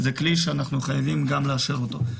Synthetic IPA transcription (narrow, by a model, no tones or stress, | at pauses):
zekliʃeanaχnuχajavimɡamleaʃeʁo̞t̪o̞